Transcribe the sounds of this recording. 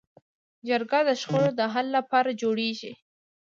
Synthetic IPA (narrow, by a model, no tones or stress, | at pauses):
d͡ʒəɾɡad̪əʃxoɽod̪əɦalːapɑɾad͡ʒoɽeʒi